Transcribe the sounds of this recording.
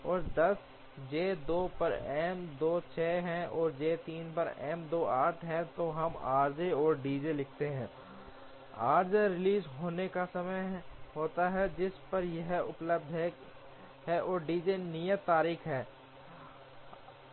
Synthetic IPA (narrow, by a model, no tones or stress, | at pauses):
ɔːɾd̪ɐs | d͡ʒeːd̪oːpɐɾɛːmd̪oːt͡ʃʰɛːɦɛ̃ɔːɾd͡ʒeːt̪iːnpɐɾɛ̰ːmd̪oːaːʈʰɦɛ̃t̪oɦɐmaːɾd͡ʒeɔːɾɖiːd͡ʒelɪk̚ʰt̪eɦɛ̃ː | aːɾd͡ʒeɾɪliːzɦoːnekasɐməjɦoːt̪aɦɛd͡ʒɪspɐɾjɐɦʊ̰pləb̚d̪ʱɦɛ | ɦɛʔɔːɾɖiːd͡ʒenijət̪ːaːɾiːkɦɛː